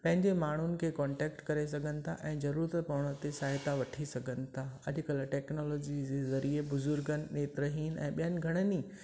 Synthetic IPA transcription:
pɐ̃ɦɪ̃ɲd͡ʑemaːɳ̤unɪ̆kʰeːkɔːɳʈɛːkʈkɐɾes̬ɐɡʱənɪ̆t̪ʰa̰ʔɛ̃ːzɐɾuːɾət̪pɐʋəɽ̃ət̪esaːɦɪt̪aʋɐʈʰisɐɡʱənɪ̆t̪ʰaɐʄʊ̆kɐlʈɛːknɔːlɔːd͡ʑid͡ʑezɐɾiebʊzʊɾɡənɪ̆ːeːt̪ɾəɦiːnɛ̰̃ːɓijənɪ̆ɡʱɐɽ̃əni

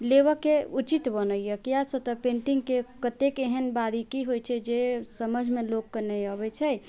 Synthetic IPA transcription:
leβəkeut͡ʃit̪bənəjjəkjasə̃t̪əpẽɳʈiŋɡkekət̪ekeɦənbaɾikiɦojt͡ʃʰɛd͡ʒesəməd͡ʒʱmelokːənejəbɛt͡ʃʰɛ

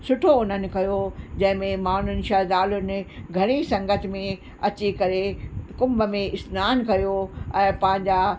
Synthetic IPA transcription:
sʊʈʰoʊn̤ənɪ̆kɐjod͡ʑɐ̃ɦɪ̃mẽmaːn̤ʊnɪ̆ʃaːd̪aːlʊnɪ̆ɡʱɐɽ̃isɐ̃ŋɡət̪ʰɪ̆mẽ | ɐt͡ɕikɐɾekʊ̃mbəmẽɪsnaːnkɐjoɛ̃ːpɐ̃ɦɪ̃ɲd͡ʑaː

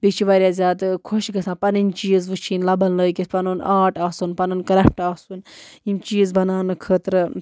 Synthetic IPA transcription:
bit͡ʃʰiʋaɾʲjaːzʲaːt̪kʰoʃɡɐsʰãːpɐninʲt͡ʃiːzʋɨt͡ʃʰiːnlɐbɐnləːjkisʲpɐnunaːʈaːsunpɐnɐnkɐɾɐp̚ʰʈaːsunimt͡ʃiːzbɐnaːnɨkʰəːt̪ɾɨ

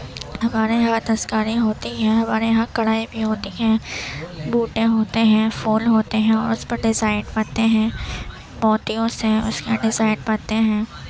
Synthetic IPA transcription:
ɦɐmaːɾejɐɦãd̪ɐskaːɾiɦoːt̪iɦɛ̃ɦɐmaːɾejɐɦãkɐɽaːibʱiɦoːt̪iɦɛ̃ː | buːʈẽɦoːt̪eɦɛ̃ːfoːlɦoːt̪eɦɛ̃ɔ̰ːɾʊspɐɾɖɪzaːɪnpaːt̪eɦɛ̃ː | mɔːt̪ijõseʊskaɖɪzaːɪnpaːt̪eɦɛ̃ː

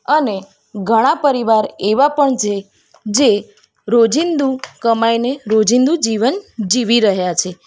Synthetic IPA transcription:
əne | ɡʱəɽ̃apəɾiʋaɾeʋapəɳt͡ʃʰe | d͡ʒe | ɾod͡ʒind̪ukəmajneɾod͡ʒind̪ud͡ʒiʋənd͡ʒiʋiɾəɦjat͡ʃʰe

